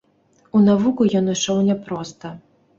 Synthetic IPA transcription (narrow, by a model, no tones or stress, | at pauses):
unavukujɔnɨʂɔwnʲɛpɾɔst̪ɐ